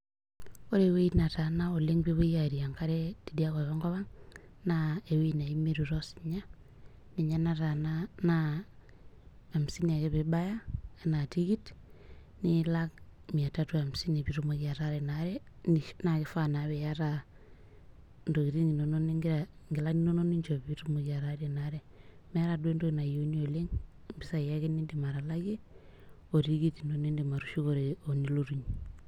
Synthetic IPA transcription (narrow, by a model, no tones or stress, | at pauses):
koɾeweinatanaoleŋbiβujaɾiaŋkaɾetidiakɔβaŋɡɔβaŋnaewinaimeɾuɾɔsiɲa | niɲanatanana | msinakeβɪbajaanatikit | nilak̚miatatuamsinipiɾumokijataɾɛnaɾɛ | ninakifanaβejaɾa | ndokitiŋinononiŋɡŋɡilaninononiɲd͡ʒoitumokiaɾaɾenaɾe | meaɾadwendoinajonioleŋ | mbisajakinindimaɾalaɡe | otiɡitinonindimaɾuʃukoɾeoniloɾuɲ